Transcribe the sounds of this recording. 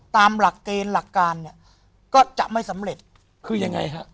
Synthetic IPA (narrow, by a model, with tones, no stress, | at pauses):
t̪aː˧mla˨˩kːeː˧nla˨˩kːaː˧nːi˥˩ə | kɔː˥˩t͡ɕa˨˩ʔma˥˩jsa˩˨˦mɾe˨˩t̪̚ | kʰɯː˧ja˧ŋa˧jɦa˦˥ʔ